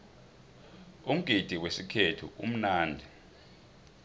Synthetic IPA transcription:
um̩ɡ̥ʱid̥ʱiwesikʰetʰṵʔṵm̩naːndʱi

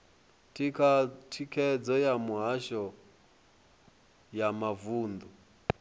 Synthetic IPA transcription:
tʼikʰatʰikʰɛd͡zɔjamuɦaʃɔ | jamavuːnd̪u

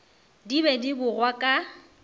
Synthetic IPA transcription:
dibɛdibʊrwakʼa

